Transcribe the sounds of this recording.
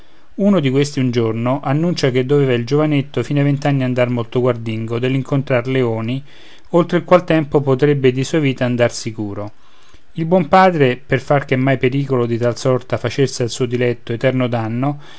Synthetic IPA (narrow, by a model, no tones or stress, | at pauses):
unod̪ikwest̪iund͡ʒornoʔanːunt͡ʃak̟ed̪ːovɛːvaild͡ʒovanet̪ːofiːnavent̪anːiand̪armolt̪oɡward̪iŋɡod̪eliŋkont̪ɾarleoːni | olt̪ɾekwalt̪ɛmpopot̪ɾebːed̪isuːaviːt̪aːnd̪arsikuːɾo | ilbwɔmpaːd̪ɾeperfark̟emːajpeɾiːkolod̪it̪alsɔrt̪afat͡ʃesealsuːod̪ilɛt̪ːoet̪ɛrnod̪anːo